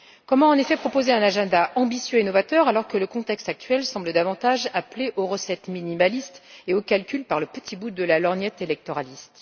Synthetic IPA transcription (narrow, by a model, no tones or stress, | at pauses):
kɔmɑ̃ːnefɛpχɔpozeɛ̃naʒɛ̃d̪aʔɑ̃bisjøenɔvat̪œʁalɔʁkələkɔ̃t̪ɛkst̪ak̚t̪ɥɛlsɑ̃bləd̪avɑ̃t̪aʒapleʔoʁəsɛt̪minimalist̪eokalkʲylpaʁləpət̪ʰibud̪əlalɔʁnjɛt̪elɛk̚t̪ɔʁalist̪